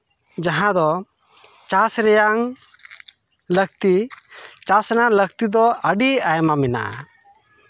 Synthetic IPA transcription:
d͡ʒaɦãd̪ɔ | t͡ʃasɾɛjaŋ | lək̚t̪it͡ʃasɛnalək̚t̪id̪ɔʔəɖiajmamɛna̰ʔa̰

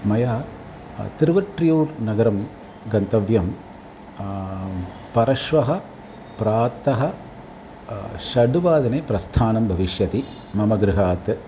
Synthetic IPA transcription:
mɐjaː | t̪iɾʋɐʈɾijuːɾnɐɡɐɾɐm | ɡɐnt̪ɐʋjɐm | pɐɾɐʃʋɐɦɐ̆ | pɾaːt̪ɐɦɐ | ʃɐɖuʋaːd̪ɐneːpɾɐst̪ʰaːnɐmbʱɐʋiʃjɐt̪i | mɐmɐɡɾɪɦaːt̪

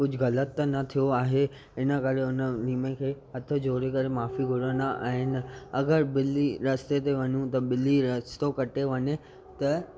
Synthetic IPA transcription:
kʊd͡ʑʱɣɐlət̪ːnɐt̪ʰijoaːɦe | ɪnəkɐɾeʊnəliːmẽkʰeːɦɐt̪ʰə̆d͡ʑʱoːɾekɐɾemaːfiɡʱʊɽənd̪aʔa̰ːɦɪnɪ̆ɐɡəɾbɪliɾɐst̪et̪eʋɐɲũt̪ɐbɪliɾɐst̪okɐʈeʋɐɲe | t̪ɐ

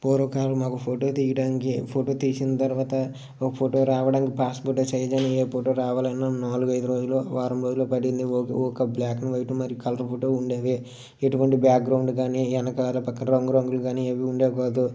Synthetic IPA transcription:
poːɾɐkaːlumaːkupʰoːʈo̞ːt̪iːjɐɖaːnikipʰoːʈo̞ːt̪iːsinɐt̪ɐɾuʋaːt̪ɐ | kɐpʰoʈoːɾaːʋɐɖaːnikipaːspoʈoːt͡ʃɐjɐd͡ʒɐnɐeːpʰoːʈoːɾaːʋaːlɐnːɐnaːluɡɐjd̪uɾo̞ːd͡ʒulːoːʋaːɾɐmɾoːd͡ʒulːoːpɐɽind̪ikɔkɐblaːknuʋɐjʈumɐɾijukɐlɐɾpʰoːʈoːuɳɖeːʋeː | eʈuʋɐɳʈibaːk̚ɡɾɐwɳɖkaːniɛnɐkɐaːlɐpɐkːɐnɾɐŋɡuɾɐŋɡuluɡaːnieːʋiuɳɖeːkaːd̪u

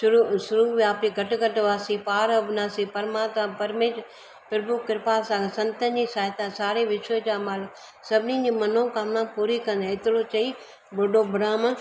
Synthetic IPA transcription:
ʊɾusʊɾuːʋijaːpiɡʱɐʈɡɐʈʋaːsipaːɾɐbnaːsipɐɾmaːt̪mapɐɾmeː | pɪɾbukɪɾpaːsãːɡesɐ̃nt̪ə̃nd͡ʑiːsaːt̪ãsaːɾeʋɪʃəd͡ʑaːmaːlʊk | sɐbʱɪnĩd͡ʑiːmɐnõkaːmnãːpuːɾikɐ̃nd̪ãɪt̪ɪlot͡ɕɐi | boɖobʱʊɾaːm

